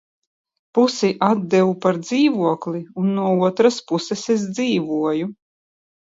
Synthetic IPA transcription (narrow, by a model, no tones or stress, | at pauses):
pusiʔad̪̚d̪ɛwupaɾd̪ziːvuɔklˠiunːuɔuɔt̪ɾaspusɛsezd̪ziːvuɔju